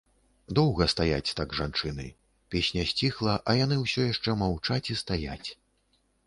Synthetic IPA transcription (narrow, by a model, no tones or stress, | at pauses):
d̪ɔwɣɐst̪aja̰t͡sʲt̪aɡʐant͡ʂɨnɨ̰ | pʲesʲnʲɐsʲt͡sʲixlˠɐʔɐjan̪ɨwsʲɔjaʂt͡ʂɛmawt͡ʂat͡sʲist̪aja̰t͡sʲ